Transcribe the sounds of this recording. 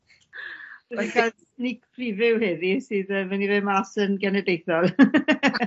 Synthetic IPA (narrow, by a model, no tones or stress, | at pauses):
əikʰa | nɪkʰpʰrivɪwhɨðisɨːðəmanivɪmasənɡɛnɛdejθɔlˠ